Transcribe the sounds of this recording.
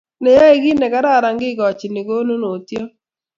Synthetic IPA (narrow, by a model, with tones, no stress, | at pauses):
nɛ˨ja˦e˦˨ɡi˦nɛ˨ka˦ɾa˦˨ɾa˨ŋɡɪ˦ɡɔ˨t͡ʃi˨ni˨ɡo˦no˦no˨tjo˦